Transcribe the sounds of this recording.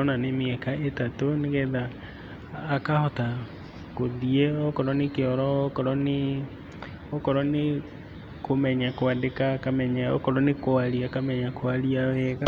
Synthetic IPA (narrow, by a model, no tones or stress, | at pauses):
ɔnanemeɛkaetatoneɣɛðaː | kahɔta | koðiɛɔkɔɾɔnekeɔɾɔkɔɾɔne | ɔkɔɾɔne | komɛɲakoadekakamɛɲaɔkɔɾɔnekoaɾiakamɛɲakoaɾiawɛɣa